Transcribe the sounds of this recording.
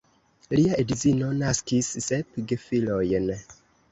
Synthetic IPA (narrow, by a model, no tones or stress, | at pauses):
liaedzinonaskisːepɡefilojn